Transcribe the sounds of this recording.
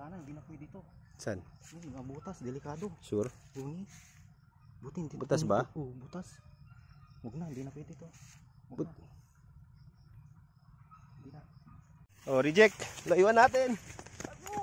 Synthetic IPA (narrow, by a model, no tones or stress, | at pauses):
kanabinapuit̪it̪ot͡ʃanniŋabut̪asdɛlikadɔsuruni | but̪int̪ibut̪asbaubut̪as | muɡnabinapuit̪it̪obu | bina | ɔɾid͡ʒɛk̚laiwanat̪ɛn